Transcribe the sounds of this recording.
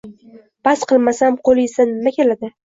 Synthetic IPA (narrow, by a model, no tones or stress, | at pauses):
basqɨlˠmasamqʰolˠesanɪmakʲʰe̞lad̪ɪ